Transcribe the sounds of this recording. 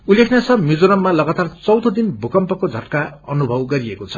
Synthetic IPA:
ulːekʰnjasʰʌmid͡zoɾʌmːalʌɡat̪art͡sʌwd̪ʱʌd̪inbʱukʌmpʌkod͡zʱʌʈkaʌnubʱʌwɡʌɾiekot͡sʰʌ̥

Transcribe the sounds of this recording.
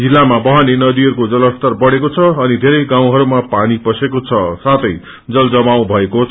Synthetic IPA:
d͡zilːamabʌɦanenʌd̪iʌɾukod͡zʌlʌst̪ʌrbʌɽekot͡sʰʌːnid̪ʱeɾʌjɡãw̃ɦʌɾumapanipʌsekot͡sʰʌsat̪ʰʌj | d͡zʌld͡zʌmaw̃bʱʌeko

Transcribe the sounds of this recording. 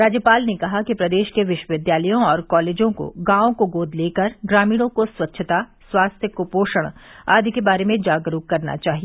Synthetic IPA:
ɾaːd͡ʒjəpaːlnekɐɦakipɾɐd̪eːʃkeʋɪʃwəʋɪd̪jaːləjõɔːɾkɔːleːd͡ʒõko̰ɡãːõkoɡoːd̪ʱleːkəɾɡɾaːmiːɽ̃õkoswɐtːʃʰət̪aswaːst̪ʰjəkopoːʃəɽ̃a̰ːd̪ʱikebaːɾemẽd͡ʒaːɡɾuːkkːɐɾna̰t͡ʃaːɦie

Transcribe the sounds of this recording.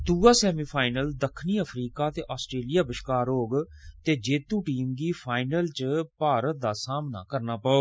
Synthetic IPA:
d̪uːaːsɛːmiːpʰaːɪnəld̪əkʰːniːəpʰɾiːkaːt̪eːʔaːsʈɾeːlijaːbəʃkaːɾɦoːɡt̪eːd͡ʒeːt̪ũːʈiːmɡiːpʰaːɪnəlt͡ʃpaːɾət̪̚d̪aːsaːmna̰ːkəɾnaːpəoː

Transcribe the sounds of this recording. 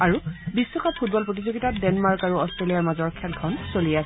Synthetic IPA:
aɹubisːɔkʰapʰut̚bɔlpɹot̬izoɡitadɛnmaɹkaɹuɔstɹelijaɹmazɔɹkʰɛlkʰɔnsolijasɛ

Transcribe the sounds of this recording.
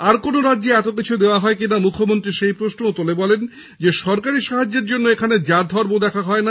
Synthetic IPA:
aɾkonoɾadːeɛt̪ok̬it͡ɕʰud̪eoaɦɔekinamukʰːomont̪ɾiʃejpɾoʃnoot̪olebɔlen | d͡ʑeʃɔɾkaɾiʃaɦad͡ʑːeɾd͡ʑonːoekʰaned͡ʑad̪ʱɔɾbod̪ɛkʰaɦɔena

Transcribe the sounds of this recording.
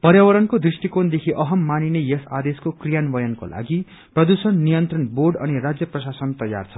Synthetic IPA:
pʌɾjawʌɾʌnkod̪risʈikond̪ekʰiʔʌɦʌmːaninejesad̪eskokrijanbʌjʌnko̰la̰ɡi | prʌd̪usʌnːijʌnt̪rʌnborɖʌnirad͡zjʌprʌsasʌnt̪ʌja̰rt͡sʰʌ̥

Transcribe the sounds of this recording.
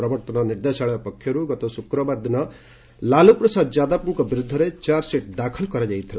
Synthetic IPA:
ɾɔbɔɾt̪ɔnɔniɾd̪esaɭɔapɔkʰjɔɾuɡɔt̪ɔsukɾɔbaɾd̪inɔ | laluprɔsad̪d͡ʒad̪apuŋkɔbiɾud̪ʱːɔɾet͡ʃaɾseʈ̚d̪akʰɔlkɔɾad͡ʒajt̪ʰila

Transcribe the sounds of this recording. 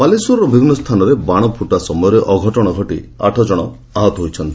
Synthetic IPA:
palisuɾɔbʱibʱinːɔst̪ʰanɔɾebaɽ̃ɔpʰuʈasɔmɔjɔɾeʔɔɡʱɔʈɔɽ̃ɔɡʱɔʈia̰ʈʰɔd͡ʒɔɽ̃ɔ | aɦɔt̪ɔɦojt͡ʃʰɔnt̪i

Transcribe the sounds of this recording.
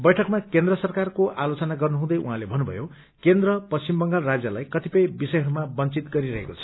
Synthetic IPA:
bʌjʈʰʌkmakend̪rʌsʌrkarkoʔalot͡sʌnaɡʌrnuɦũd̪ʌjṵɦãlebʱʌnːubʱʌ̰jo | kend̪rʌpʌst͡simbʌŋɡarad͡zjʌlajkʌt̪ipʌjbisʌjɦʌɾumabʌnt͡sit̪ɡʌɾiɾʌɦekot͡sʰʌ̥

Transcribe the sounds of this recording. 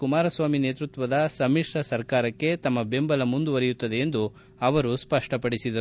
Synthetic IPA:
kumaːɾɐsʋaːmine̞ːt̪ɾut̪ʋɐd̪ɐsɐmiʂɾɐsɐɾkaːɾɐkːe̞t̪ɐmːɐbe̞mbɐlɐmund̪uʋɐɾijut̪ːɐd̪e̞ːnd̪u | ɐʋɐɾuspɐʂʈɐpɐɽisid̪ɐu

